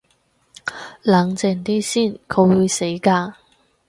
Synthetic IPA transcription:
lɐ˨˥ŋt͡sɪ˨˧˩ŋt̪iː˥siː˥˩nkʰɵ˨˧wwuː˨˧jse˨˥jkaː˧

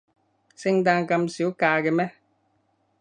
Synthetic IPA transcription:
se˦ŋ˦da˧˨ŋ˨ka˨m̩si˨u˦kaː˨ke˨mɛ˦

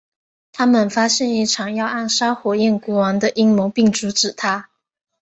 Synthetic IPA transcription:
t̪ʰa˥mə˨nfa˥ɕjɛ˥˧ni˥˩ʈ͡ʂʰɑ˨˩ŋjɑ˥˧ʊa˥˩nʂa˥xwɔ˨˩ɛ˥˩nku˧˥wɑ˧˥ŋd̪ə˧ʔi˥ŋmo˧˥ŋpi˥˩ŋʈ͡ʂu˧˥ʈ͡ʂɻ̩˨˩t̪ʰa˥

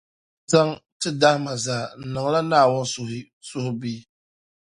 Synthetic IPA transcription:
za˦ŋtɨ˦da˦hma˨zaː˨n̩˨nɨ˨ŋ˨˦la˦naː˦˨wʊ˦n˦sʊ˨hɪ˦ | sʊ˦hʊ˦bi˦

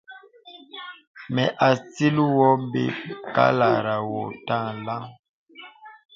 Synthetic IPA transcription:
mɛ˨ʔa˨si˦lu˦wɔ˦m˦bḛ˦ka̰˦la˨ɾa˨wɔ˨ta˦˨la˦ŋ

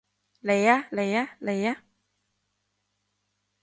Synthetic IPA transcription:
le˨ja˦le˨ja˦le˨ja˦

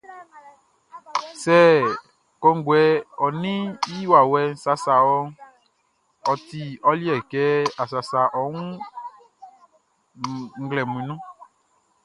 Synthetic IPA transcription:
sɛ˦˨ | kɔ˧ŋ˦ɡwɛ˨ɔ˨nĩ˦i˦wa˨wɛ˨n̩˦sa˦sa˨wɔ˦ | ɔ˨ti˨ɔ˦li˦ɛ˨kɛ˨˦a˨sa˨sa˨ʔɔ˨˦wũ˦ | ŋ̩˦ɡlɛ˨mũ˨ĩ˨nũ˦

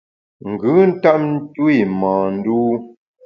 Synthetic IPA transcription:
ŋ̩˨ɡɨ˨˦n̩˦ta˦p̚n̩˦tu˦i˦˨mãː˨n̩˦duː˦

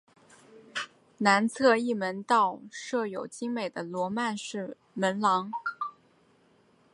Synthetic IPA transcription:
na˧˥nt͡sʰɤ˥˧i˥˩mə˧˥nt̪ɑ˥˧ʊʂɤ˥˩jo˨˩ʊt͡ɕi˥ŋme˨˩ɪd̪ə˦lwɔ˧˥ma˥˧nʂɻ̩˥˩ | mə˧˥nlɑ˧˥ŋ

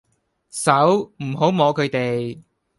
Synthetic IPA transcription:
sɐ˨˥wm̩˨˩ɦo˨˥wmɔː˨˧kʰɵ˨˧ɥt̪e˨j

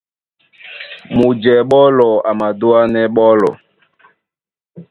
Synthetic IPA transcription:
mu˨d͡ʒɛ˨ɓɔ˦lɔ˨a˨ma˨du˦a˦nɛ˦ɓɔ˦lɔ̰˨

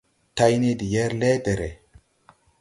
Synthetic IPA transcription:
ta˦jne˦di˨jɛ˦ɾle˦de˨ɾe˨

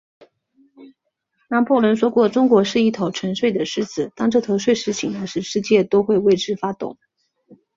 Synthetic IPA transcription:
nɑ˧˥ŋpʰɔ˥˩lwə˧˥nʂwɔ˥kwɔ˥˩ʈ͡ʂʊ˥ŋkwɔ˧˥ʂɻ̩˥˧i˥˩t̪ʰɑ˧˥ʊʈ͡ʂʰə˧˥nʂwe˥˩ɪd̪ə˩ʂɻ̩˥t͡sɹ̩˨˩t̪ɑ˥ŋʈ͡ʂɤ˥˩t̪ʰɤ˧˥ʂwe˥˧ɪʂɻ̩˥˩t͡ɕʰi˨˩ŋd̪ə˦ʂɻ̩˧˥ʂɻ̩˥˧t͡ɕjɛ˥˩t̪o˥ʊxwe˥˧ɪwe˥˧ɪʈ͡ʂɻ̩˥˧fa˥t̪ʊ̰˥˨˩ŋ

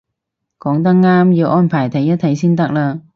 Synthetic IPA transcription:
kɔː˨˥ŋt̪ɐ˥k̚ŋaː˥mjiː˨˧wʔɔː˥npʰaː˨˩jt̪ʰɐ˨˥ŋjɐ˥t̪̚ʰɐ˨˧jsiː˥nt̪ɐ˥k̚laː˧

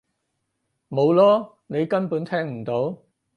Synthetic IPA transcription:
mo˨˧wlɔː˥ | ne˨˧jkɐ˥npuː˨˥nt̪ʰɛː˥ŋm̩˨˩t̪o˨˥w

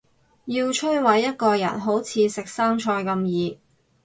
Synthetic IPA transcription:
jiː˧wt͡ʃʰɵ˥wɐ˨˥jːɐ˥t̚kɔː˧jɐ̰˨˩nɦo˨˥wt͡sʰiː˨˧sɪ˨k̚saː˥ŋt͡ʃʰɔː˧jkɐ˧mjiː˨˧

